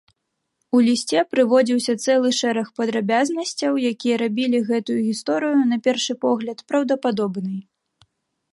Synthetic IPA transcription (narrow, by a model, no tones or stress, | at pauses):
ulʲisʲt͡sʲɛpɾɨvɔd͡zʲiwsʲɐt̪sɛlˠɨʂɛɾɐxpɐd̪ɾabʲaznɐsʲt͡sʲɐwjakʲijɐɾabʲilʲiɣɛt̪ujuɣʲist̪ɔɾɨjunɐpʲɛrʂɨpɔɣlʲɐt̪pɾɐwd̪ɐpad̪ɔbnɨj